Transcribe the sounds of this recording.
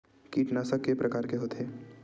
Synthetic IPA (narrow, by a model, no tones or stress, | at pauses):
kiːʈnasɐkːepɾɐkaːɾkeɦoːt̪ɦeː